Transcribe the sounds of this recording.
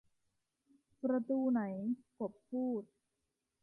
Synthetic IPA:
pɾa˧t̪uː˧na˩˦jko˨˩ppʰːuː˥˩t̪̚

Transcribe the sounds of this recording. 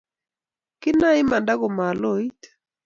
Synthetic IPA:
kɪ˦na˦ɪ˦ma˨nda˦ɡo˨ma˨lo˦i˦t

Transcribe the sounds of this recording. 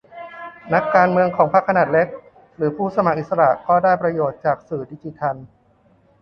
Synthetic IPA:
na˦˥kːaː˧nmɯ˧əŋkʰɔː˩˦ŋpʰa˦˥kʰːa˧naː˨˩t̪̚le˦˥k̚ | ɾɯː˩˦pʰuː˥˩sa˧ma˨˩k̚ʔi˨t̪̚sa˧ɾa˨˩ʔkɔː˥˩daː˥˩jpɾa˧joː˨˩t̪̚t͡ɕaː˨˩k̚sɯː˨˩di˧t͡ɕi˧t̪ʰa˧n

